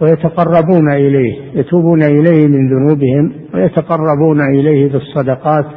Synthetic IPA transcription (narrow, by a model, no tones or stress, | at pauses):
wɪjat̪aqɑrˤːɑbuːnaʔɪlaːhjat̪uːbuːnaʔɪlajːhmɪnðʊnuːbɪhɪmwɪjat̪aqɑrˤːɑbuːnaʔɪlaːhbɨsˤːɑd̪ɑqɑːt̪